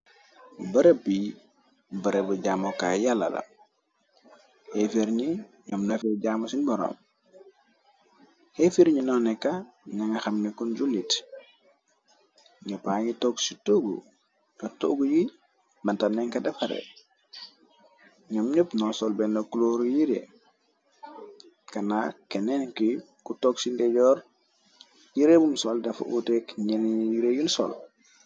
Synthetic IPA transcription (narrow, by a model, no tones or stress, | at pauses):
bɐɾebi | bɐɾebuɟaːmoka̰jalːɐ̰lɐ̰ | hefeɾɲi | ɲɔmnɐfɛɟaːmɐsinbɔɾɔ̰m | hefiɾɲinɔnɛkːa | naŋɐxɐmnɛkund͡ʒulːit | ɲapaːŋitɔɡsitoɡṵ | kato̰ɡuji | mantanːɛŋkadɐfaɾɛ̰ | ɲamɲupnɔsɔlbɛnokuloɾujiɾḛ | kanakɛnɛnki | kutɔksindɛɟɔːɾ | jiɾebumsɔldɐfʔutɛkɲɛnjiɾejunsɔ̰l